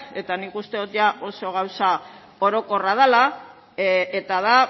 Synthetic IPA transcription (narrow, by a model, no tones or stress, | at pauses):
e̞t̪anikust̪e̞ðot̪ʝaʔo̞so̞ɣ̞awsa | o̞ɾo̞ko̞rað̞ala | et̪aða